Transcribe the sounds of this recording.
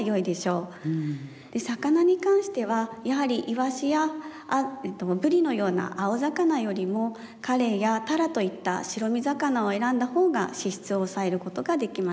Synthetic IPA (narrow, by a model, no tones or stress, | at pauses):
jo̞id̪e̞ɕo̞ː | d̪̥e̞sakanaɲ̟ikãɰ̃ɕi̥t̪e̞βajaɦaɾʲiʔiβaɕija | t̪ːobɯ̟ɾʲino̞jo̞ːna̰ʔaozakanajo̞ɾʲimo̞ | kaɾe̞ːjat̪aɾat̪o̞it̪ːa̰ɕiɾo̞mʲizakanao̞e̞ɾãnd̪aho̞ːɡa̰ɕiɕi̥t͡sɨo̞sae̞ɾɯ̟ko̞t̪o̞ɡad̪e̞kʲima